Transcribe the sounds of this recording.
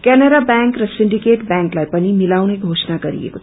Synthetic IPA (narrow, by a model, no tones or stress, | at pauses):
kɛnaɾabaŋkrʌsiɳɖikeʈbaŋklajpʌnimilawneɡʱosnaɡʌɾḭḛko